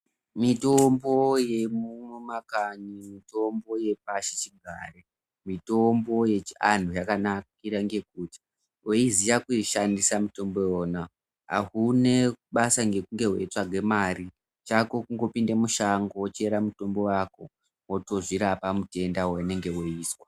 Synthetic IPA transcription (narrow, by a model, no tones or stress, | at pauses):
mitombo̞je̞mumumakaɲimito̞mbo̞je̞paʃet͡ʃiɡʱa̰re | mito̞mbo̞je̞t͡ʃan̤ujakanakiɾaŋɡe̞k̚uːti̥ | woizijakuiʃandisamuto̞mbo̞jona | a̰ɦune̞ɓasaŋɡe̞kuŋɡe̞we̞̰twaɡʱe̞maɾi | t͡ʃako̞kuŋɡo̞pindemuʃaŋɡoot͡ʃeɾamuto̞mbo̞wako̞ | wotoʐiɾapamute̞ndawene̞ŋɡe̞woiːswa